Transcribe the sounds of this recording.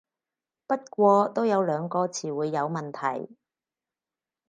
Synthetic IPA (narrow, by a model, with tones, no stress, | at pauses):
pɐ˥t̚kʷɔː˧t̪o˥wjɐ˨˧wlœː˨˧ŋkɔː˧t͡sʰiː˨˩wuː˨˧jːɐ˨˧wmɐ˨nt̪ʰɐ̰˨˩j